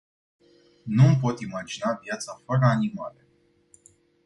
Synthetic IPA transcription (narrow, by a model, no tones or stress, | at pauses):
numpo̞t̪imad͡ʒinavjat̪safəɾəanima̰lə